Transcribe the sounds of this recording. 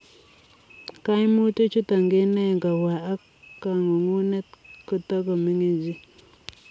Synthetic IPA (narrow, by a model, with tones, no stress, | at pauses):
ka˦jmu˦to˦t͡ʃu˦ta˨ŋɡe˦nɛ˦˨ŋɡa˨wa˨a˦kː | a˨ŋo˨ŋu˦nɛ˦t̚ko˦ta˦kɔ˨mi˦ŋe˨d͡ʒi˦